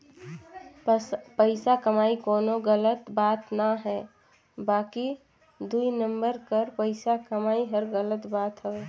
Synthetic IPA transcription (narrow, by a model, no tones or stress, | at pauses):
pəɪsakɐmaːikoːnoɣələt̪baːt̪naɦɛː | baːki | d̪uinə̃mbəɾkɐɾpəɪsakɐmaːiɦɐɾɣələt̪baːt̪ɦɛ